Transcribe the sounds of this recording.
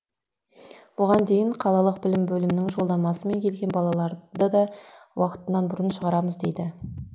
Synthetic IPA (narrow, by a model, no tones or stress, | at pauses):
b̥ʊʁɑnd̪e̞jɪɴqʰɑlˠɑlˠəq̚bɪlɪmbɵlɪmnɪŋʒo̞lˠd̪ɑmɑsəme̞ŋkʲʰe̞lɡʲe̞nbɑlˠɑlˠɑɾd̪əd̪ɑwɑqət̪ənːɑnbʊɾənʃəʁɑɾɑməzd̪e̞jd̪ɪ